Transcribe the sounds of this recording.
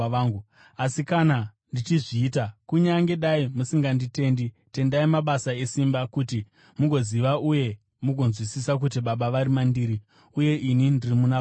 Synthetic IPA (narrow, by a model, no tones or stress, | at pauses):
ŋɡu | asikana | ndit͡ʃiʐiːtakuɲaŋɡe̞ɗaimusiŋɡandite̞ːndi | te̞ndaimaɓasae̞simbakuti | muɡʱo̞ziʋaʔuje̞ | muɡʱo̞nzwisisak̬ut̬iɓaɓaʋaɾimandiːɾi | uje̞ʔinindirimuna